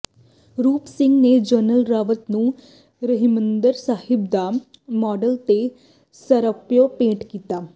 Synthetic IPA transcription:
ɾuːpsɪ̃ŋɡned͡ʒəɾnəlɾaːʋət̪nũː | ɾəɦimə̃nd̪əɾsaːhɪbd̪a | mɔːɖəlt̪e | səɾəpjopẽːʈkiːt̪aː

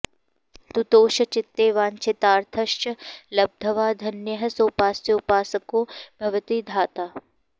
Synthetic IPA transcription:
t̪ut̪oːʃɐt͡ʃɪt̪ːeːʋaːnt͡ʃʰɪt̪aːɾt̪ʰɐʃjɐlɐb̚d̪ʱɐʋaːd̪ʱɐnjɐɦɐ̆soːpaːsjɐʊpaːsɐkoːbʱɐʋɐt̪iːd̪ʱaːt̪aː

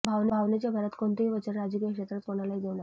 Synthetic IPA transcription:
bʱaʋnbʱaʋnet͡ɕjabʱəɾat̪koɳt̪eiʋət͡ɕənɾad͡ʑikijakʂet̪ɾat̪̚koɽ̃alaɦid̪eʋɳa

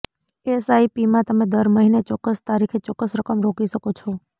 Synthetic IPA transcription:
esaipimãt̪əmẽd̪əɾməɦinet͡ʃɔkːəst̪aɾikʰet͡ʃɔkːəsɾəkəmɾokiʃəkot͡ʃʰɔ

